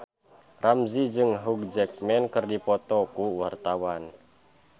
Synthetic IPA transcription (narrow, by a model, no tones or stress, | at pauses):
ramzid͡ʒɨŋɦuk̚d͡ʒɛk̚mɛnkɨrdipɔt̪ɔkuwart̪awan